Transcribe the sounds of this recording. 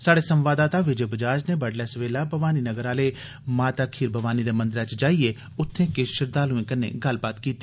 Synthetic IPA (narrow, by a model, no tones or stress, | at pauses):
saːɽeːsəmʋaːd̪aːt̪aːʋɪd͡ʒeːbəd͡ʒaːd͡ʒneːbəɖlɛːsʋeːlaːbəʋaːniːnəɡəɾaːleː | maːt̪aːkʰiːɾbʱəʋaːniːd̪eːmə̃nd̪əɾɛt͡ʃd͡ʒaːieː | ʊt̪ʰːẽːkɪʃəɾd̪aːlʊẽːkənḛːɡəlbaːt̪kiːt̪ːi̥ː